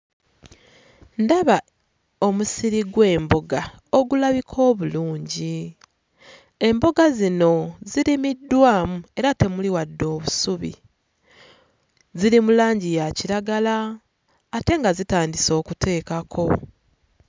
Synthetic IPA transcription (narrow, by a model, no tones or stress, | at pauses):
ndaβa | omusiɾiɡwe̞ːmbo̞ɡa | oɡulaβikʰo̞ːβuluːɲɟi | e̞mbo̞ɡazino̞ziɾimidːwaːmue̞ɾate̞muliwadːo̞ːβusuβḭ | ziɾimulaːɲɟijaciɾaɡalaː | te̞ŋɡazitaːndiso̞ːkutʰe̞ːkakʰo̞